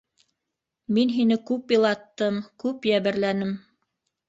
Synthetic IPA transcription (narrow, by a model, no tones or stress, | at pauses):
minɦinɘkʉpjɤ̆lˠɑt̪ːɤmkʉpjæβɘ̆ɾlænɘm